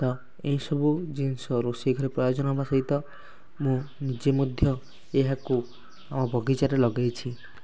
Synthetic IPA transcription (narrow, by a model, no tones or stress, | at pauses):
t̪ɔ | ejsɔbud͡ʒinsɔɾosekʰɾepɾɔjod͡ʒɔnabasɔjt̪ɔ | mũnid͡ʒemod̪ʱjɔ | eɦaku | amɔbʱɔɡit͡ʃaɾelɔɡajt͡ʃʰi